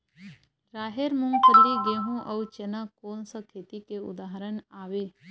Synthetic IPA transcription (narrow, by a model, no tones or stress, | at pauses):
ɾaːɦeɾmũŋkəlːiɡeːɦũʔɐwt͡ʃenakoːnsəkʰeːt̪ikeʊ̰d̪aːɦəɾənaːʋeː